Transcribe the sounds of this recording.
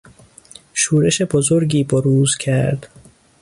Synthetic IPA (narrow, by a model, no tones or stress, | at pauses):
ʃuːɾe̞ʃe̞bozoɾɟiːboɾuːzcʰæɾd̪̥